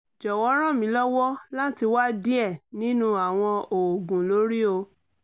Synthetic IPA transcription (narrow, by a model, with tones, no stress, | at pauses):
d͡ʒɔ˨wɔ˨˦ɾ̃ã˦˨mĩ˨˦lɔ˦wɔ˦la˦ti˧wa˦dĩ˦ɛ˦˨nĩ˦nũ˦a˨w̃ɔ̃˧o˨o˨ɡũ˨lo˨˦ɾi˦o˧